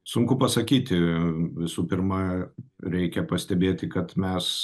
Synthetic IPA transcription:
sʊŋkʊpɐsɐkʲiːt̪ʲɪʋʲɪsuːpʲɪɾmɐɾʲɛɪkʲɛpɐsʲt̪ʲɛbʲeːt̪ʲɪkɐt̪mʲɛs

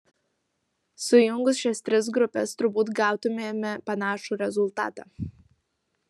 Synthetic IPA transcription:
sʊjʊŋɡʊsʃʲɛsʲt̪ʲɾʲɪs̬ɡɾʊpʲɛ̰st̪ɾʊbuːt̪ɡɑˑʊt̪ʊmʲeːmʲɛpɐnɑːʃuːɾʲɛzʊlˠt̪ɑ̰ːt̪ɑ̰ː

